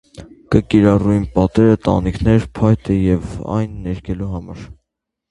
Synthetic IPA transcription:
kəkiɾɑruinpɑt̪ɛɾət̪ɑ̰nikʰnɛɾpʰɑjt̪ɛjɛvɑ̰jnːɛɾkʰɛluɦɑmɑ̰ɾ

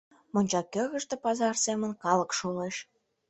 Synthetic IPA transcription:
monʲt͡ɕɑkːəɣə̆ʃt̪ĕpɑzɑrsemə̆nkɑlə̆kʃuleʃ

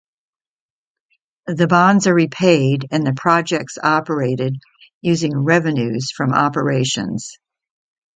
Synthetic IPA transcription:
ðɨbɑ̃ndzə˞ɹipʰeɪɾɨ̃nðɨpʰɹ̥ɑd͡ʒɛk̚tsɑpə˞eɪɾɨd̚ | jʉzɪ̃ŋɹɛvɨ̃nʉz̥fɹʌ̃mɑ̰pə˞eɪʃɨ̰̃nz̥

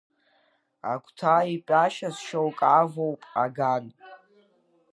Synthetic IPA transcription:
a̰kʷʰʼtʰaːipʼaʃasʃowkʼavowpʼaɡan

